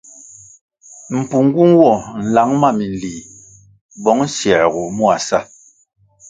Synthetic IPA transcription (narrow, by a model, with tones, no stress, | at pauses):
m̩˨pu˨ŋ˦ɡu˦ŋ˦wɔ˦˨n̩˨la˨˦ŋma˦˨mi˨n˨liː˨ | bɔ˨˦ŋ˦sjɛ˨ɣu˨mu˦a˨sa˦